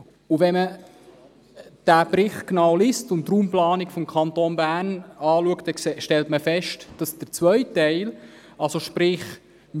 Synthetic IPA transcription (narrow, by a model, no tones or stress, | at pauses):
uvɛmə | d̥æːbɾɪχknɑwlistʊntːruːmplɑːnikfɔmkʰɑnt̪onbæːnɑːluəktɛʃtɛltməfɛʃtd̥ɑsd̥əɾt͡sʋœʏtɛɪl | ɑlsoʃpɾɪχ